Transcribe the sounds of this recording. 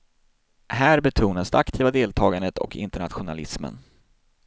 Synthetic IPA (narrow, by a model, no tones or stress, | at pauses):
hæːɾbɛt̪ʰuːnasd̪ɛ̰akt̪ʰiːvad̪eːlt̪ʰɑːɡand̪ət̪ɔ̰kɪ̰nt̪əɳat̪ɧʊna̰lɪsmə̰n